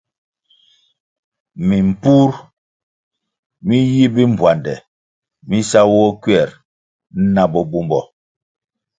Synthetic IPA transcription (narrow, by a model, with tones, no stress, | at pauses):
mi˨m̩˨pu˦ɾ | mi˦ji˦bi˦m̩˨bwa˨ndɛ˨ | mi˦sa˦wɔ˦kɥɛ˦˨ɾ | n̩˦na˦bɔ˨bu˦mbɔ˨